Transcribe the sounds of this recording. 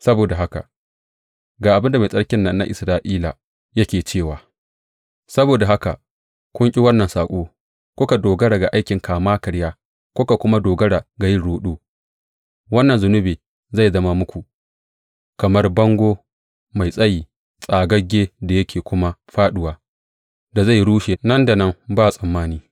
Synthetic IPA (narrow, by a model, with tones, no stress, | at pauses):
sɐ˦boː˨da˨ɦa˦ka̰˨ | ɡaː˨ʔa˨bɪ˦nda˨ma˨sʼɐ˦ɽkʲɪ˦nːɐ˦nːa̰˦ʔɪ̰˨sɾaː˦ʔiː˦la˨ | jɐ˦kʲeː˨t͡ʃeː˦˨waː˨ | sɐ˦boː˨da˨ɦa˦ka˨ | kʷʊ˦ŋkʲʼi˦wɐ˦nːɐ˨nsaː˨kʷʼoː˦ | kʷʊ˦ka˨doː˨ɡɐ˦ɽa˨ɡa˨ʔa˦jkʲɪ˨ŋkaː˨maː˦kɐ˨ɽjaː˦ | kʷʊ˦ka˨kʷʊ˦ma˦doː˨ɡɐ˦ɽa˨ɡa˨jɪ˦nɽoː˨˦ɗuː˦ | wɐ˦nːɐ˨nzʊ˨nʊ˦beː˨ | za˦˨jzɐ˦ma˦mʊ˦kʷu˨ | kɐ˨mɐ˦rbɐ˦ŋɡʷoː˦ | ma˨jsʼɐ˦jiː˨ | sʼaː˨ɡɐ˦ɡʲeː˦da˨jɐ˦kʲeː˨kʷʊ˦ma˦ɸaː˦ɗʊ˨waː˨ | da˨za˦˨jɽuː˦ʃe˨nɐ˦nda˨nɐ˦mbaː˦˨sʼɐ˨mːaː˦niː˦